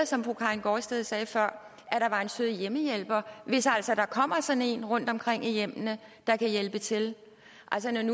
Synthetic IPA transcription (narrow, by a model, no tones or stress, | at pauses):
sɒ̽mpʰʁokʰɑ̈ɪnɡ̥ɒːsd̥eðˠsɛːfɶɐ̰ | æɾ̥ɑ̈ʋɑ̈e̝nsøð̰ˠjeməjelb̥ɐʋe̝sæl̰sɒd̥ɑ̈kʰɒ̽m̰ɐsɒ̽ne̝̰nʁɔ̽n̰d̥ɒ̽mkʰʁeŋ̰ijem̰nəd̥ɑ̈kʰæjelb̥ət͡sʰe̝l | ʔæl̰sənɒnu